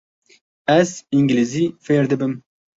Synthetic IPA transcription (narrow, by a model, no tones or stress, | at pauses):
æziŋɡlizifeːɾd̪ɨbɨm